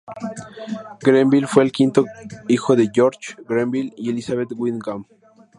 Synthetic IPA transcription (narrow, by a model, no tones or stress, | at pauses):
ɡɾembilfweːlkint̪oixoðeʝoɾt͡ʃɡɾembilielisaβet̪ɡwinɡam